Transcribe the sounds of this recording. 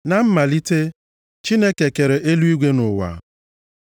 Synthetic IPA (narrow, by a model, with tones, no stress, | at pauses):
na˨m̩˦ma˨li˦te˦ | t͡ʃi˦ne˦ke˨ke˨ɾe˨ʔe˦lu˦i˦ɡʷe˦nʊ˨wa̰˨